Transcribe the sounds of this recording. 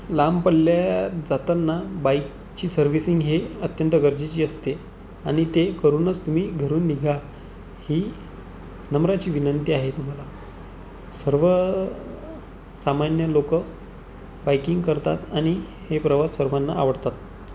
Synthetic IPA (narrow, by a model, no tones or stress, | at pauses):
lampəɽljad͡zat̪anːabajk | t͡ɕiːsəɾʋisiŋɡɦeət̪jənt̪əɡəɾd͡ʑit͡ɕiːəst̪e | aɽ̃it̪ekəɾuːnət͡st̪um̤iːɡʱəɾuːnːiɡʱa | hiː | nəmɾat͡ɕiːʋinənt̪iaɦet̪um̤ala | səɾʋə | samanjəlokə | bajkiŋɡkəɾt̪at̪aɽ̃i | hepɾəʋasəɾʋanːa̰ːʋəɽt̪at̪̚